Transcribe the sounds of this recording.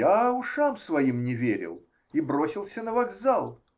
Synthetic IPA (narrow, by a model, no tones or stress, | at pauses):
aʊʂamsvɐjimnʲɪvʲeɾʲɪ̰lˠ | ibɾo̞sʲɪlˠsʲənəvɐɡzalˠ